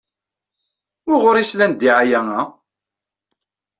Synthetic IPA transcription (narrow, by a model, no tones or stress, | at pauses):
ʊʁʊɾislænd̪iʕajæŋæ